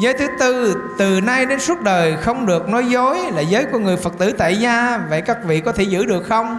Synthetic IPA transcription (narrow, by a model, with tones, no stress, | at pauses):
zəː˨˦jt̪ʰɨ˨˦t̪ɨ˧t̪ɨ˨˩na˧jɗe˨˦nsu˦˥t̚ɗəː˨˩jxə˧wŋ͡mɗɨ˨˩ək̚nɔ˨˦jzo˨˦jlaː˨˩zəː˨˦jku˧˩əŋɨ˨˩əjfə˨˩k̚t̪ɨ̰˧˩t̪a̰ː˧˨jzaː˧va̰˧˨jkaː˦˥k̚vḭ˧˨kɔ˨˦t̪ʰe˧˩zɨ̰˧˥ɗɨ˨˩ək̚xə˧wŋ͡m